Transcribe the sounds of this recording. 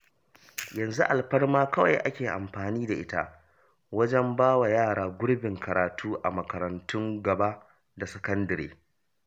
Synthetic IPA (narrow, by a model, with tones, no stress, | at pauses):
jɐ˨nzu˦ʔa˨lɸɐ˦rmaː˦kɐ˦wa̰˨jʔa˦kʲeː˨ʔa̰˨mɸaː˨niː˦da˨ʔɪ˦ta̰˦ʔ | wɐ˦d͡ʒɛ˦mbaː˦wa˨jaː˦˨ɽaː˨ɡʷʊ˦ɽbɪ˨ŋkʰɐ˨ɾaː˨tʰuː˦ʔa˨mɐ˨kɐ˨ɾɐ˨ntʊ˦ŋɡɐ˨ba˦ʔ | da˨sɐ˨kɐ˦ndɐ˨ɾḛː˦